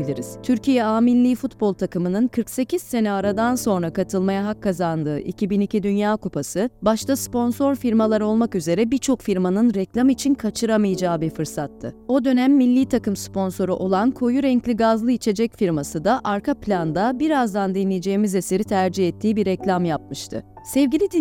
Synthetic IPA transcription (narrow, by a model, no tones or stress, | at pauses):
ilʲiɾḭz̥t̪ʰyɾcijɛaːminlʲiːfut̪̚bolˠt̪ʰakɯmɯnɯnkʰɯɾkse̞cʰiz̥se̞naaɾad̪anso̞nɾakat̪ʰɯlˠmajaɦakʰːazand̪ɯːʔḭcʰibinicʰid̪ynjaːkupʰasɯbaʃt̪ʰaspo̞nso̞ɾfiɾmalˠaɾɯo̞lˠmakyze̞ɾɛbiɾt͡ʃʰo̞kfiɾmanɯnɾɛclʲamit͡ʃʰinkʰat͡ʃʰɯɾamajad͡ʒaːbiɾfɯɾsat̪ʰːɯo̞d̪ø̞næmːilʲːiːt̪ʰakɯmspʰo̞nso̞ɾuʔo̞lˠankʰo̞juɾɛɲclʲiɡazlˠɯit͡ʃʰe̞d͡ʒɛcfiɾmasɯd̪aʔaɾkʰapʰlʲand̪abiɾazd̪and̪inlʲijd͡ʒe̞jimize̞se̞ɾit̪ʰæɾd͡ʒihɛt̪ʰːiːbiɾɛclʲamjap̚mɯʃt̪ʰɯ̰ | sɛvɟʲilʲid̪